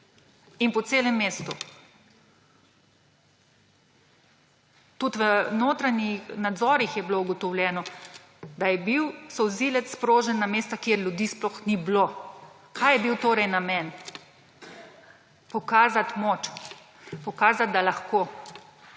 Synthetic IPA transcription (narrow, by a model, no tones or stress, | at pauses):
inpɔt̪seːlɛmːeːst̪u | t̪ut̪ʋənoːt̪ɾanixnad̪zɔːɾixjɛblouɡɔt̪ɔwlʲjɛːnɔ | d̪ajɛbiwsɔzilɛt̪sspɾoːʒɛnːameːst̪akeɾljud̪iːsplɔxniblo | kajɛbiwt̪oːɾɛjnamɛn | pɔkaːzat̪mot͡ʃ | pɔkaːzat̪̚d̪alaxko